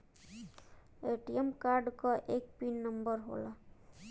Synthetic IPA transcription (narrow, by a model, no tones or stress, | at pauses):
eʈiemkaɾɖkʌʔekpinːʌmbʌɾɦo̰la